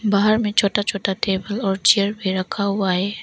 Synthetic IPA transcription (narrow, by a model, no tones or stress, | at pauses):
baɦəɾmẽt͡ʃʰoːʈat͡ʃʰoːʈaʈeːbəlɔːɾt͡ʃijəɾbʱiɾəkʰaɦuaeː